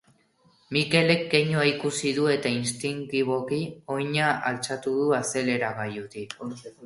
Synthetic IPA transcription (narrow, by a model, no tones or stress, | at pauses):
mike̞le̞k̚ːe̞ɲoaikusiðue̞t̪ainst̪iŋkiβo̞kio̞jɲaalt͡sat̪uðuase̞le̞ɾaɣajut̪i